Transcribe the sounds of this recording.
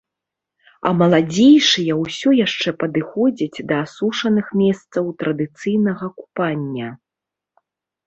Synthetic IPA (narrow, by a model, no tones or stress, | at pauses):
ɐ̰mɐlˠad͡zʲejʂɨjɐwsʲɔjaʂt͡ʂɛpɐd̪ɨxɔd͡zʲid͡zʲd̪ɐːsuʂɐnɨxmʲɛst̪sɐwt̪ɾɐd̪ɨt̪sɨjnɐɣɐku̥panʲːɐ